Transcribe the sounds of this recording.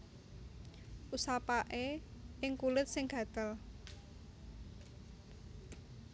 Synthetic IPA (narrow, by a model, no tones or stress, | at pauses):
ʔusapaʔeɪŋkulɪt̪̚sɪŋɡ̥ä̤d̪̥əl